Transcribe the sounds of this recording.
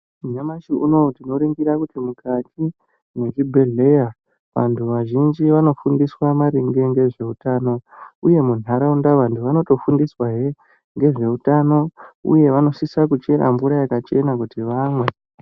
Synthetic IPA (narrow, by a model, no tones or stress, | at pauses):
uɲamaʃiʔuno̞tino̞ɾiŋɡiɾakutimukʰatʰi | ne̞ʐibʱe̞ɮe̞ja | ʋa̰ntʰuʋaʒind͡ʒiʋano̞fundiswamaɾiŋɡe̞ŋɡe̞ʐe̞utaːno̞uje̞mun̤aɾaundaʋantʰuʋano̞to̞fundiswaɦe | ŋɡe̞ʐe̞utano̞ṵje̞ʋano̞sisakut͡ʃe̞ɾa̰mvuɾajakat͡ʃe̞nakutiʋamwe̞